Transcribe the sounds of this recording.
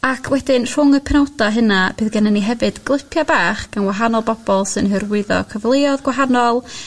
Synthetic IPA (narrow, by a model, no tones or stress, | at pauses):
akʰwɛdɪnr̥ʊŋəpʰɛnɔwdaɦənab̥ɨːðɡɛnəniɦɛvɨd̥ɡlˠɪpʰjabaːχɡ̥anwaɦanɔlˠbɔb̥ɔlˠsɨnɦɨrwɨðɔ̰kʰəvlˠeɔðɡwaɦanɔlˠ